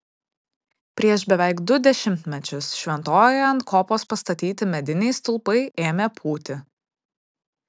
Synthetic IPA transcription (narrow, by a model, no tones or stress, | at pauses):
pʲɾʲiɛʃbʲɛʋʲɛˑɪkd̪ʊd̪ʲɛʃʲɪmʲt̪ʲmʲɛt͡ʃʲʊsʃʲʋʲɛnt̪oːjɪɐnt̪kʰoːpoːspɐst̪ɐt̪ʲiːt̪ʲɪmʲɛd̪ʲɪnʲɛɪst̪ʊlˠpɐɪʔeːmʲepʰuːt̪ʲɪ